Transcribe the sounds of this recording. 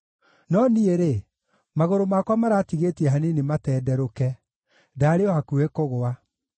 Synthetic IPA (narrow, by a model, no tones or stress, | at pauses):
nɔnieɾe | maɣoɾomakwamaɾaːtiɣetiɛɦanenematɛːdɛɾokɛ | daːɾeɔhakuekoɣoa